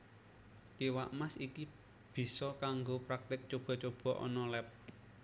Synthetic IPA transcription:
iwaʔmasiki | b̥i̤sɔkaŋɡopɾak̚t̪ɪk̚t͡ʃob̥ɔ̤t͡ʃob̥ɔ̤ʔɔ̰nɔlɛp̚

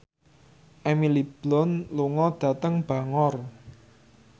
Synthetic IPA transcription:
ʔɛmilib̥lɔnluŋɔd̪̥ä̤t̪əŋb̥ä̤ŋɔr

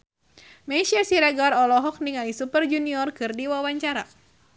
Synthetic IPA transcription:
meʃiasiɾaɡaɾɔlɔɦɔk̚niŋalisupərd͡ʒuniɔrkɨrdiwawaɲt͡ʃaɾa

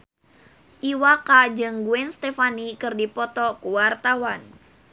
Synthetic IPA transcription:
ʔiwakad͡ʒɨŋɡuɛnst̪efanikɨrdipɔt̪ɔkuwart̪awan

